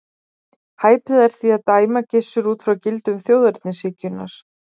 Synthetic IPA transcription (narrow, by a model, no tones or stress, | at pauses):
haːjpɪðɛɾ̥θviaðt̪aːjmacɪsːʏɾuːt̪fɾawcɪlt̪ʏmθjowðɛɾt̪nɪsɪːcʏna̰ɾ̥